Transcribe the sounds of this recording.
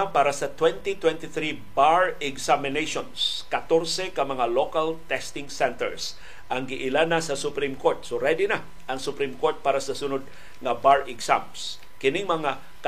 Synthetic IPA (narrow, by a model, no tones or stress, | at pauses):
paːɾɐsɐt̪wɛnt̪ɪt̪wɛnt̪ɪθɾibaɹɛɡsamɪnejʃonskɐt̪oɾsɛkɐmɐŋalokalt̪ɛst̪ɪŋsɛnt̪ɛ̰ɹs | ʔɐŋɡɪʔɪlanasɐsʊpɾimkoɹt̪̚soɾɛd̪ɪna | ʔɐŋsʊpɾimkoɹt̪̚paːɾɐsɐsʊnod̪̚ | ŋɐbaɹɛɡsa̰ms | kɪnɪŋmɐŋa | k